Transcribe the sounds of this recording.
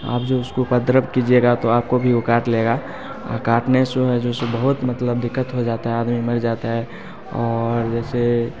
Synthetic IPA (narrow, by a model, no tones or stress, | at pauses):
a̰ːpd͡ʒoʊskopəd̪ɾəbkid͡ʒieɡat̪oaːp̚kobʱiʊkaːʈleːɡa̰ | kaːʈnesoɦɛd͡ʒoːsebəɦʊt̪mɐt̪ləbd̪ɪkːət̪ɦod͡ʒaːt̪aɦɛaːd̪mimɐɾd͡ʒaːt̪aɦɛ | ɔːɾd͡ʒɛːse